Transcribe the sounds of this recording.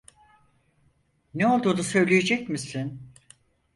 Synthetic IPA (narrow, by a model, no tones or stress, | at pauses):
neo̞lˠd̪uːnusø̞jlʲejed͡ʒɛcmisin